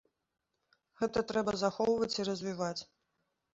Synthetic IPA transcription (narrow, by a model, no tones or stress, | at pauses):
ɣɛt̪ɐt̪ɾɛbɐzaxɔwvɐt͡sʲirɐzʲvʲivat͡sʲ